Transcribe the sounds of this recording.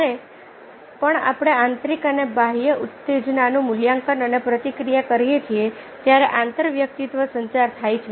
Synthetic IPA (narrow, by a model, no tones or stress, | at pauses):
ɾe | pəɳa̰pɽ̃eãnt̪ɾikənebaɦijəʔut̪ːed͡ʒnanũmʊljãŋkənənepɾət̪ikɾijakəɾijet͡ʃʰie | t̪jaɾeʔãnt̪əɾʋjək̚t̪it̪ʋəsəɲt͡ʃaɾt̪ʰajt͡ʃʰe